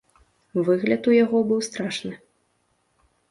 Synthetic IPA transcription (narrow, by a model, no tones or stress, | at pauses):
vɨɣlʲɐt̪ujaɣɔbɨwst̪ɾaʂnɨ